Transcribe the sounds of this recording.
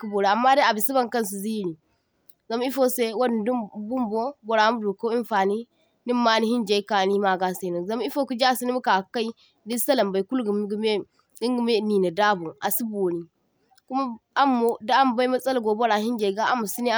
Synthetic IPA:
ku˦bo˨ɾe˨a˨mːa˦da˦a˨bi˨si˦ba˦ŋkɐ˦ns̬u˨zi˦˨ɾi˨ | za˨m˦i˦fo˦se˦wa˦n˨du˦bu˦mbo˦bo˨ɾa˨˦mu˦du˨ko˦i˦m˦fa˨ni˦ | ni˦mːa˦ni˦hi˦nd͡ʒe˨˦i˦ka˨ni˦ma˨ɡa˦se˨˦˨no˨za˨m˦i˦fo˦ku˦d͡ʒa˦si˦ni˦mu˦ka˨ka˦i˦ | di˦sɐ˦lɐ˨mba˨ku˦lɡm˦ɡme˦ | i˦ŋɡme˦ni˨na˨da˦bo˨ʔa˨si˦bo˨ni˨ | ku˦ma˦a˦mːo˨da˦a˦m˦ba˦i˦mɐ˦sʼɐ˦lɡo˨bo˦ɾa˨hi˦nd͡ʒe˨ɡa˦ʔa˦mːu˨si˦ni˦

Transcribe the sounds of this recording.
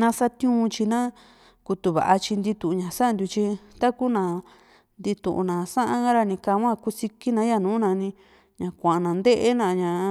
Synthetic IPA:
nã˧sa˦t̪jũː˦˧t͡ʃi˧nã˦ | ku˧t̪u˧βa̰˨ʔa˧t͡ʃi˧nd̪i˧t̪ũ˨˧ɲã˨sa˦˧nd̪ju˧t͡ʃi˧t̪a˦ku˦nã˧ | nd̪i˧t̪ṵ̃˨ʔṵ˧nã˨sã˦ʔã˦ɡa˦ɾa˧nĩ˧ka˧˦˧wã˦˧ku˧si˧ki˦nã˧˦ja˧˨nũː˨˦nã˧nĩ˧ | ɲã˨kʷã˨a˨˧nã˨˧nd̪e˦ʔe˦nã˧ɲã˨

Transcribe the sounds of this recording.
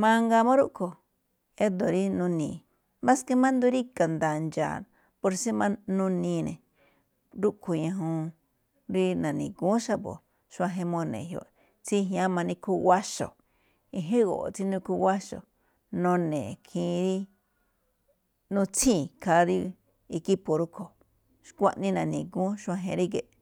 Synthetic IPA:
mã˧ŋɡa˧mõ˦ɾu˦ʔkʰo˨ | e˦d̪o˨ɾi˦nũ˧nĩː˨ | mã˦ske˧mã˦nd̪u˧ɾi˦ka˨nd̪a˧˨nd͡ʒa̰ː˨ | po˧ɾsi˦mã˧nũ˧nĩ˧nḛ̃˨ | ɾu˦ʔkʰo˨ɲã˧ɦũ˧ | ɾi˧nã˨nĩ˨kũ˨˦ʃa˦bo̰˨ | ʃu˧ã˧ɦe˧mõ˧nḛ̃˨ɦjo̰˧˨ʔ | t͡si˦ɦjã˦mã˧nĩ˧ku˧wa˦ʃo̰˨ | i˧ɦẽ˦ɣo̰˨ʔt͡si˦nũ˧ku˧wa˦ʃo̰˨ | nõ˧nẽː˨kʰĩː˧ɾi˦ | nũ˧t͡sʰĩ˦˨kʰa˧˦ɾi˦ | i˧ki˦po˨ɾu˦kʰo˨ | ʃkʷã˦˧ʔnĩ˦nã˨nĩ˨ɡũ˦ʃã˧ɦḛ̃˧ɾi˦ɡe˨ʔ

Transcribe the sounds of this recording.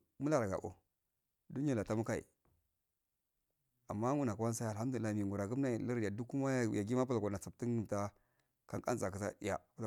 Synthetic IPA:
mu˦la˦˨ɾa˨ɡa̰˨ʔo̰˨ | du˦ni˦a˨la˨ta˦mu˦ka˦ḭ˨ | a˨mːa˦ŋu˦na˨ka˨wa˦n˦sa˦˨ha˦m˦du˨lla˦˨mi˨ŋɡu˨ɾa˨ɡu˦mna˦˨li˦ɾja˨du˦ku˦ma˦˨ja˨ɡi˦ma˦p̬a˦la˨a˨na˨t͡sa˨p̚ti˦ŋɡi˨ta˦ | ka˦ka̰˦nt͡sa˨k̬i˨sa̰˦ja̰˨pa˦l

